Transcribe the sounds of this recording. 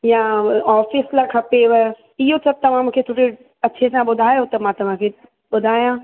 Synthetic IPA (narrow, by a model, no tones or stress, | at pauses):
jãaːfɪslakʰɐpeʋɛ | ɪɦot̪ʰɐb̚t̪ɐʋ̤ãmũːkʰet̪ʰoːɾe | ɐːt͡ɕʰesãɓʊd̪ʱaːjot̪ɐmãt̪ɐʋ̤ãkʰe | ɓʊd̪ʱaːjãː